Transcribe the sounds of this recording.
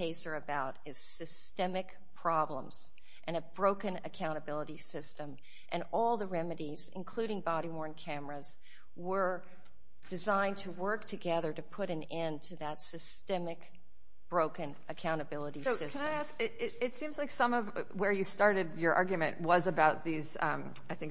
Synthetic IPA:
eɪsə˞ɨbaʊɾɨz̥sɨstɛmɨk | pʰɹ̥ɑblə̰̃mz̥ | ʔɨ̃ñɨbɹoʊkɨ̃nɨkʰãʊ̃ɾ̃ɨbɪlˠəɾisɪstə̃m | ʔɨ̃nɔlˠðəɹɛmɨɾizɨ̰̃nkʰl̥ʉɾɪ̃ŋbɑɾiwɔɹnkʰæmə˞ɨz̥ | wə˞ | d̥ɨzãɪ̃ntʰəwɜ˞k̚tʰɨɡɛðə˞ɾɨpʰʊɾɨ̃nɛ̃ntʰɨðətsɨstɛmɨk | b̥ɹoʊkɨ̃nʔɨkʰãʊ̃ɾ̃ɨbɪlˠəɾisʊɪkɨ̃naɪæskɪɪɾɪtsĩmzlaɪksʌ̃mʌvwə˞jɨstɑɹɾɨdjə˞ʔɑ̰ɹɡjmɨ̰̃nʔwʌzɨbaʊt̪̚ðiz | aɪθɪ̃ŋk

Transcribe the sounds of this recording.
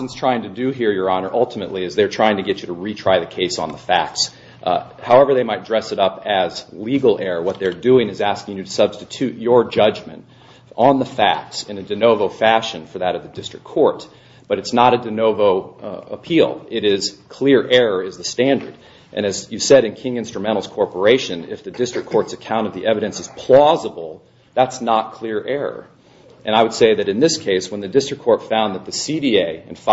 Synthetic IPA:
nz̥tʰɹ̥aɪɪ̃ŋtʰɨdɨɦiɹjə˞ɑnə˞ʔʌlˠtʰəmɨʔˡliɨzðə˞tʰɹ̥aɪɪ̃ŋtʰɨɡɛt͡ʃɨɾɨɹitʰɹ̥aɪðɨkʰeɪsn̩ðəfæ̰k̚ts | haʊɛvə˞ðeɪmaɪt̚dɹɛsɨɾʌpɨzliɡl̩ˠɛɹə˞wʌt̪̚ðə˞dʉɪ̃ŋɨzæskɪ̃ŋjɨɾɨsʌb̥stɨtʰʉt͡ʃə˞d͡ʒʌd͡ʒmɨ̰̃nt | n̩ðəfæ̰k̚tsɨ̃nɨdɨnoʊvoʊfæʃɨ̃nfə˞ðɨɾʌvðɨdɪstɹ̥ɨkʰːɔɹt | b̥ʌɾɨtsnəɾɨdɨnoʊvoʊə̰pʰilˠɪɾɪz̥kʰl̥ɪɹʔɛɹə˞ɪzðɨstæ̃ndə̰˞d | ʔɨ̰̃ñɨzjɨsɛɾɨ̃nkʰɪ̃ŋɪ̃nstɹ̥əmɛ̃ɾ̃l̩ˠz̥kʰɔɹpə˞eɪʃɨ̃nɪ̰fðɨdɪstɹ̥ɨkʰːɔɹtsɨkʰãʊ̃ɾ̃ʌvðiʔɛvɨɾɨ̃nsɨz̥pʰl̥ɔzəbl̩ˠ | ðætsnət̚kʰl̥ɪɹʔɛɹə̰˞ | ʔɨ̃naɪwəd̥seɪðɨɾɨ̃nðɪskʰeɪswə̃nðɨdɪstɹ̥ɨkʰːɔɹtfãʊ̃nðət̪̚ðɨsiɾieɪɨ̃nf

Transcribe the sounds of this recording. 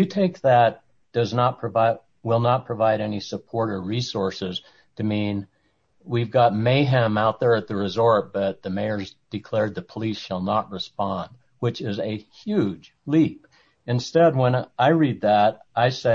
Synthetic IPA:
ɨtʰeɪk̚ðɨt̚ | d̥ʌznət̚pʰɹ̥ɨvaɪ | wɪlˠnət̚pʰɹ̥əvaɪɾɛnisəpʰɔɹɾəɹisɔɹsɪz̥ | tʰɨmĩn | wivɡɑt̚meɪɦæ̃maʊt̪̚ðə˞ɨt̪̚ðɨɹɨzɔɹt̚b̥ʌt̪̚ðɨmeɪə˞zd̥ɨkʰl̥ɛɹd̪̚ðɨpʰəlisʃəlˠnət̚ɹɨspɑ̃nd̚ | wɨt͡ʃɪzɨhjʉ̥d͡ʒ | lip | ɨ̃nstɛd̚wə̃naɪɹid̪̚ðəɾ | aɪsɛ

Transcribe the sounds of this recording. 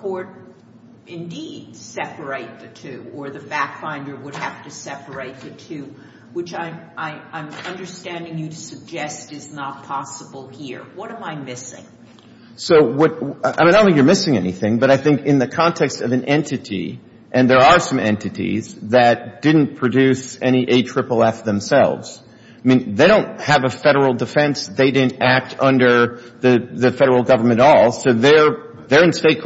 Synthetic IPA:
kʰɔɹɾ | ɪ̃ndid̥sɛpə˞eɪt̪̚ðɨtʰʉə˞ðɨbækfãɪ̃ndə˞wəd̚ɦæftɨsɛpə˞eɪt̪̚ðɨtʰʉ | wɨt͡ʃaɪʔaɪãɪ̃mʌ̃ndə˞stæ̃ndɪ̃ŋjɨɾɨsɨɡ̚d͡ʒɛstɨznət̚pʰɑsəbl̩ˠhiɹwʌɾə̃maɪmɪsɪ̰̃ŋ | soʊwʌt̚m̃ñɪ̃ŋjə˞mɪsɪ̃ŋɛniθɪ̃ŋbʌɾaɪθɪ̃ŋkɨ̃nðɨkʰɑ̃ntʰɛkstʌvɨ̃nʔɛ̃ntʰɨɾḭ | ʔɨ̃nðə˞ə˞sʌ̃mɛ̰̃ntɨɾḭzðɨt̚d̥ɪdⁿn̩pʰɹ̥ɨdʉsɛñiʔeɪtʰɹ̥ɪpl̩ˠæftðɨ̃m̩sɛ̰lˠvz̥ | mĩnðeɪɾõʊ̃nt̚hɨvəfɛɾə˞l̩ˠdɨfɛ̃nsðeɪdɪdⁿn̩tæk̚tʰʌ̃ndə˞ðɨðɨfɛɾə˞l̩ˠɡʌvə˞mɨ̃ɾ̃ɔlˠsoʊðə˞ | ðə˞ɨ̃nsteɪt̚ʰ

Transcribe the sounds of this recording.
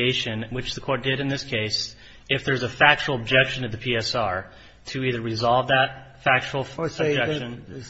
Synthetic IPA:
eɪʃɨ̃nwɨt͡ʃðɨkʰɔɹt̚d̥ɪɾɨ̃nðɪskʰeɪs | ɨfðə˞zɨfæk̚t͡ʃl̩ˠəb̚d͡ʒɛkʃɨ̃nɨðɨpʰiɛsɑɹ | tʰɨiðə˞ɹɨzɑlˠvðət̚fæk̚t͡ʃul̩ˠəbd͡ʒɛkʃɨ̃n

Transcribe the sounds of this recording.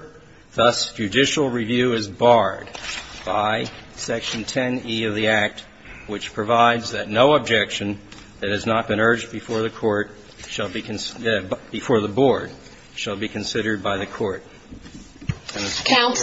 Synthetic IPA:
ðʌsd̥ʒ̥ɨdɪʃl̩ˠɹivjʉɪzbɑɹd̚b̥aɪsɛkʃɨ̃n̩tʰɛ̃niʌvðiæk̚t̚ | wɨt͡ʃpʰɹ̥ɨvaɪdzðɨtⁿnoʊəb̚d͡ʒɛkʃɨ̃n | ðɨt̚hɨznət̚b̥ɨ̃ñɜ˞d͡ʒb̥ɨfɔɹðɨkʰɔɹt̚ | ʃlˠbinb̥ɨfɔɹðəbɔɹd̥̚ | ʃəlˠbikʰɨ̃n̩sɪɾə˞d̚baɪðɨkʰɔɹɾ | ɨ̃nðɨkʰãʊ̃n

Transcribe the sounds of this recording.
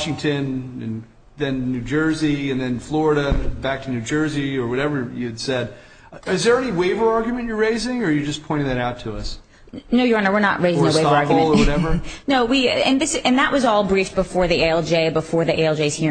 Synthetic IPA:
ʃɪ̃ŋtʰɨ̃nɨ̰̃n | ðɨ̃nːʉd͡ʒɜ˞ziɨ̃nðɨ̃nflɔɹɨɾɨbæk̚tʰɨnʉd͡ʒɜ˞ziə˞wʌɾɛvə˞jɨɨd̥sɛd | ɪzðə˞ɛniweɪvə˞ɑɹɡjmɨ̃nt͡ʃə˞ɹeɪzɪ̃ŋə˞jɨd͡ʒʌspʰɔ̃ɪ̃ɾ̃ɪ̃ŋðɨɾaʊtʰəʌs | noʊjəɑ̃nəwɨɹnə̰ʔ̚ɹʔeɪzɪ̃ŋəweɪə˞ɑɹɡjɨɨ̃nˠəwʌɾɛvə˞noʊwiɨ̃nðɪsɨ̃nðəʔwʔʌzɔlˠbɹifb̥əfɔɹðieɪɛlˠd͡ʒeɪbəfɔɹðiʔeɪɛlˠd͡ʒeɪz̥hi

